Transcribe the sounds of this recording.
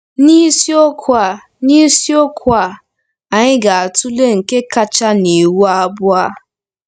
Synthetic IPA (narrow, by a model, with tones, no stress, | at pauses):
ni˦si˦o˦kʰʊ˦a˨ | ni˦si˦o˦kʷʊ˦a˨ | a˨ɲɪ˦ɡa˨a˨tu˦le˦ŋ̩˨ke˦ka˦t͡ʃa˦ne˨wu˦a˦bʊ˦a˦